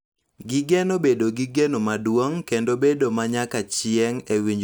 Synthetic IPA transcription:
ɡɪɡenobedoɡiɡenomadwoŋkendobedomaɲakat͡ʃɪɛŋewiɲd͡ʒ

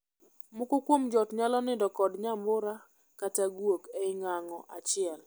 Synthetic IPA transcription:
mʊkʊkwomd͡ʒɔtɲalɔnɪdɔkɔdɲambʊɾa | kataɡwokeɪŋaŋɔʔat͡ʃɪɛl

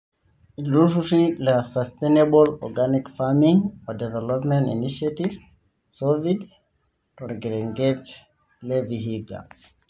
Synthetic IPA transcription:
iɾufutilasastenebɔlɔ̰ɡanikfamĩŋɔdɛvɛlɔpmɛ̃ntḭniʃativ | sɔvid | tɔɾɡɛɾɛŋɡɛt͡ʃ | lɛviɦiɡa̰

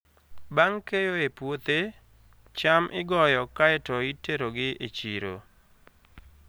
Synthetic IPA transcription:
baŋkejoepwot̪e | t͡ʃamʔɪɡɔjɔkaɛtɔiteɾoɡɪet͡ʃiɾo̰

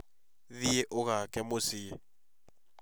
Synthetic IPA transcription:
ðieʔʊɣakʼɛmosie

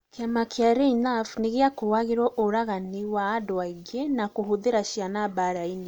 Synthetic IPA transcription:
kamakjaɾeinafneɣeakowaɣeɾwɔʔoɾaɣaniwaːdoaiɡenakoɦoðeɾaʃjanaβaɾaine

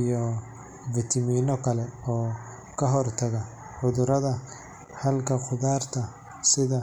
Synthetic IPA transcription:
ijɔ | vɪt̪ʰɐmiːnɔkʰɐlɛɔː | kʰɐɦɔrt̪ʰɐɣɐ | ʕʊðʊɾɐðɐ | hɐlkʰɐqʊðaːrt̪ʰɐ | sɪðɐ

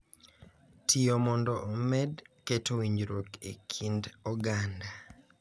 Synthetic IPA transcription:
tʰiomɔndɔʔomɛdketowiɲd͡ʒɾokḛkʰindɔɡanda

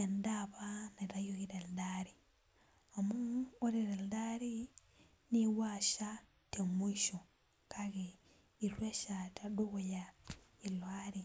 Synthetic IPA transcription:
endaβanaɾajoɣiɾeldaɾi | amuoɾeɾeldaɾi | niwaʃa | temuiʃo | kʰaɣe | iɾweʃatʰaduɣja | ilwaɾi

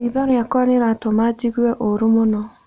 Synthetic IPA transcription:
iðɔɾjakwaɾeɾatɔmad͡ʒiɣwɛʔoɾumonɔ

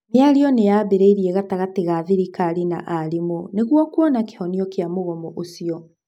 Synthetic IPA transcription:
meaɾiɔnejabeɾeiɾiɛɣataɣateɣaðiɾikaɾina̰ʔaɾimoneɣwɔkwɔnake̥hɔniɔkeamoɣɔmɔʔosiɔ

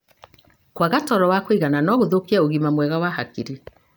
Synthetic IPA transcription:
kwaɣatɔɾɔwakoiɣananɔɣoðokiaoɣimamwɛɣawahakiɾi

